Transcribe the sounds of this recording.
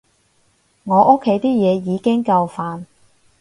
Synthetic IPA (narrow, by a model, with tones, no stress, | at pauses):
ŋɔː˨˧ʔo˥kʰːe˨˥jt̪iː˥jɛː˨˧jiː˨˧kɪ˥ŋkɐ˧wfaː˧n